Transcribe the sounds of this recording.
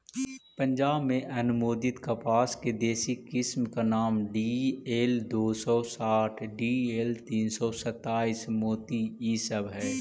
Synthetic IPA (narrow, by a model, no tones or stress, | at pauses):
pə̃ɲd͡ʒaːbmẽʔɐnʊmoːd̪ɪt̪kapaːsked̪eːsikɪsmkanaːmɖiːeːld̪oːsɔsaːʈʰɖiːeːlt̪iːnsɔsɐt̪ːaːiːsmoːt̪iiːsəbɦɛː